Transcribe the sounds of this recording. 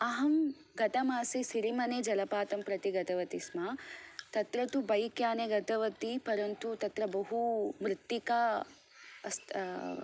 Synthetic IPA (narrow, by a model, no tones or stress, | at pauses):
ɐɦɐm | ɡɐt̪ɐmaːsisiɾimɐneːd͡ʒɐlɐpaːt̪ɐmpɾɐt̪iɡɐt̪ɐʋɐt̪ismat̪ɐt̪ɾɐt̪ubɐjkjaːneɡɐt̪ɐʋɐt̪ipɐɾɐnt̪ut̪ɐt̪ɾɐbɐɦumɾɪt̪jikɐ | ɐst̪